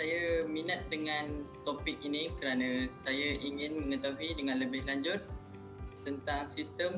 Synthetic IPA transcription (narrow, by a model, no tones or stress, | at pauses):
sajaminat̪̚dəŋãnt̪opɪk̚inikəɾanãsajaʔiŋɪnməŋət̪aɦwidəŋãnləbɪhlaɲd͡ʒʊt̪̚ | t̪ənt̪aŋsist̪əm